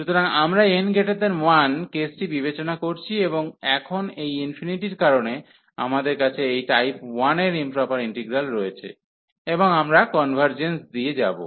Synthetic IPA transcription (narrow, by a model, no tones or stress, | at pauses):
ʃut̪oɾaŋamɾaenɡʱeʈed̪enwankesʈibibet͡ɕonakoɾt͡ɕʰieboŋɛkʰonejinfiniʈiɾkaɾone | a̰mad̪eɾkat͡ɕʰeejʈajpwaneɾimpɾɔpaɾiɳʈeɡɾalɾɔet͡ɕʰḛ | eboŋamɾakɔnbʱaɾd͡ʑensd̪ied͡ʑa̰bo̰